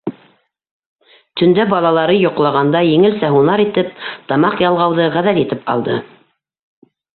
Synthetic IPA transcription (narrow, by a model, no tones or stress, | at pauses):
t̪ɵ̆nd̪æbɑlˠɑlˠɑɾɤjŏqlˠɑʁɑnd̪ɑjɘ̆ŋɘlsæɦunɑɾit̪ɘp̚t̪ɑmɑqjɑlˠʁɑwðɤʁæðæljit̪ɘpɑ̰lˠd̪ɤ